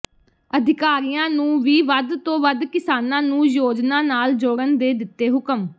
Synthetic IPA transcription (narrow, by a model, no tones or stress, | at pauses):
əd̪ʱɪkaːɾiːjãːnũːʋiːʋəd̪t̪õːʋəd̪kɪsaːnãːnũːjoːd͡ʒnãːnaːld͡ʒoːɽənd̪eːd̪ɪt̪ːeːɦʊkəm